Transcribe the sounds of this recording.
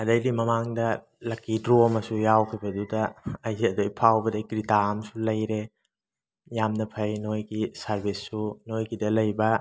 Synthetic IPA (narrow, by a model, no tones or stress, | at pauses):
ɐdɐjdimɐmaŋdɐ | lɐkːidɾomɐsujawkʰibɐdudɐɐjziɐdojpʰawbɐdɐɡɾitaɐmsulɐjɾe | jamnɐpʰɐjnojɡisɐɾbisːunojɡidɐlɐjbɐ